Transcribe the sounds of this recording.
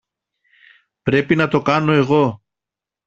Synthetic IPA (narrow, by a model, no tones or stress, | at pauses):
pɾe̞pinɐt̪o̞kɐno̞e̞ɣo̞